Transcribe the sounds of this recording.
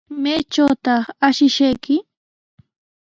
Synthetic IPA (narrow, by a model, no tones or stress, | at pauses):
majt͡ʃawt̪ɑχaʃɪʃajkɪ